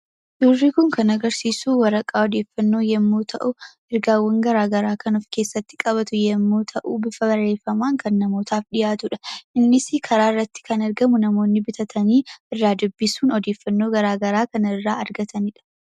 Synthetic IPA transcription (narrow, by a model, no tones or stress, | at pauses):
d̪uːrːikʊŋkɐnɐɡɐɾsiːsuːwɐɾɐkʼaːɔd̪e̞ːfːɐnːo̞ːjɛmːuːt̪ʰɐʔʊ | ɪɾɡaːwːɐŋɡɐɾaːɡɐɾaːkɐnɔfke̞ːsːɐt̪ːɪ̥kʼɐβɐt̪ʊjɛmːuːt̪ʰɐʔuːbɪfɐbɐrːe̞ːfːɐmaːŋkɐnːɐmo̞ːt̪ʰaːfᶑɪjaːt̪ʊᶑɐ̥ʔɪnːɪsɪkʰɐɾaːɪrːɐt̪ːɪ̥kɐnɐɾɡɐmʊnɐmo̞ːnːɪbɪt̪ʰɐt̪ʰɐniːɪrːaːd̪ʊbːɪsuːnɔd̪e̞ːfːɐnːo̞ːɡɐɾaːɡɐɾaːkɐnɪrːaːɐɾɡɐt̪ʰɐnɪᶑɐ̥